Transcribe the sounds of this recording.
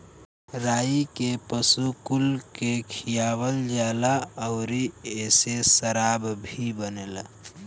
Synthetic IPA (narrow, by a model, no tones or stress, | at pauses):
ɾaːikepəsukulkekʰijaːwəld͡ʒaːlaəʊɾieːsesəɾabbʱibənela̰